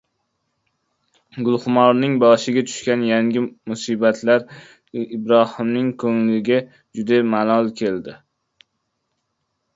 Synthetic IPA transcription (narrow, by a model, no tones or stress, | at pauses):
ɡʊlˠhʊmɒɾnɪŋbɒʃɪɡʲat̪ʰʊ̥ʃkʲanjaŋɡʲɪmʊsibat̪ʰlaɾ | ɪbɾɒhɪmnɪŋkʰɵŋlɪɡʲa | d͡ʒʊd̪amanɒlˠkʲʰe̞ld̪ɪ